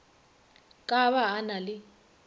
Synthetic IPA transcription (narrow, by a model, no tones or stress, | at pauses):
kʼaβaːnalɪ